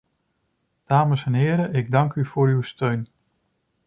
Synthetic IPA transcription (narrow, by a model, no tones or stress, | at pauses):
d̥aːməsɛnɦɪːɾəʔɪɡ̚dɑŋkyv̥ʊːɹywstøɥn